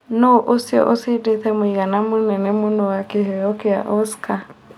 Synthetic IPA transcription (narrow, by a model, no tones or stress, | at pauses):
noʔosjɔ̰ʔosideθɛmoiɣanamʊnɛnɛmʊnɔwakeɦɛɔkea̰ʔɔska